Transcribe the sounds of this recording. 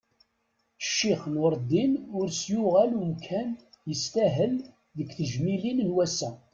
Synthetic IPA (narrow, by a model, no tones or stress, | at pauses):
ʃːiχnəɾˤd̪ːinʊɾsjʊʁælumkʰænjəst̪æɦəl | ðəkːθəʒmilinnwæsæ